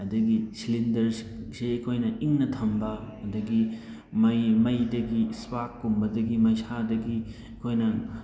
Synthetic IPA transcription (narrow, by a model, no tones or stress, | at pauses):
ɐdɐɡisilindɐɾseɐkʰojnɐʔiŋnɐtʰɐmbɐɐdɐɡi | mɐjmɐjdɐɡiswakːumbɐdɐɡimɐjsadɐɡi | ɐkʰojnɐ